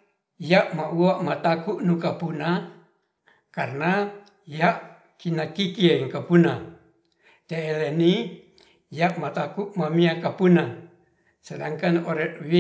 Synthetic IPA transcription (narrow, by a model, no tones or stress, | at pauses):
jaʔmauaʔmat̪akuʔnukapuna | karna | jaʔ | kinakikieŋkapuna | t̪eːleni | jaʔmat̪akuʔmamiakapuna | selaŋkanoɾɛʔwi